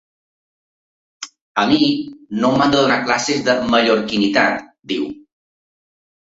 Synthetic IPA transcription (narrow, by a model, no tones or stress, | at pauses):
əminomand̪əðunaklasezðəməʎoɾkinit̪at̪d̪iw